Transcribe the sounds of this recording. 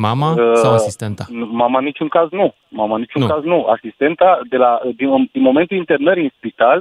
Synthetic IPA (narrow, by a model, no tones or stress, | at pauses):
mamaəaasist̪ent̪anumamanit͡ʃuŋkaznu | mamanit͡ʃuŋkaznua̰sist̪e̞nt̪ad̪elad̪id̪inmo̞ment̪uint̪ernəɾinspit̪al